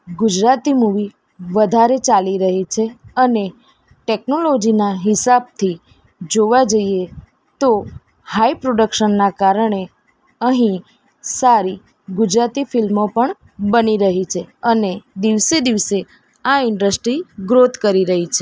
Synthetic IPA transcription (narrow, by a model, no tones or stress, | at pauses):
ɡud͡ʒɾat̪imuʋi | ʋəd̪ʱaɾet͡ʃaliɾəɦit͡ʃʰeəne | ʈeknolod͡ʒinaɦɪsab̚t̪ʰi | d͡ʒoʋad͡ʒəie | t̪o | haipɾoɖəkʃənːakaɾəɳe | əɦĩ | saɾi | ɡʊd͡ʒɾat̪ifɪlmopəɳ | bəniɾəɦit͡ʃʰeəned̪iʋsed̪iʋse | aɪɳɖəsʈɾiɡɾot̪kəɾiɾəɦit͡ʃʰe